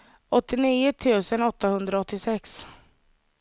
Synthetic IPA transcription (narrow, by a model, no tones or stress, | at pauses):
ʔɔt̪ːɪniːʊt̪ʰʉ̟ːsənɔt̪ːahɵnd̪ɾaɔt̪ːɪsɛks